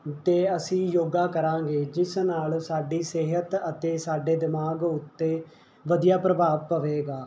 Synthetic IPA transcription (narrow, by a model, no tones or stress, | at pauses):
t̪eːəsĩːjoːɡaːkəɾãːɡeːd͡ʒɪsnaːlsaːɖiːseːɦət̪ət̪eːsaːɖeːd̪ɪmaːɡʊt̪ːeː | ʋəd̪ijaːpɾəbaːʋpəʋeːɡaː